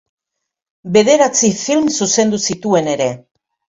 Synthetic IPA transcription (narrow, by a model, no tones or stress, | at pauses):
be̞ð̞e̞ɾat͡sifilmsuse̞nd̪usit̪ue̞ne̞ɾe̞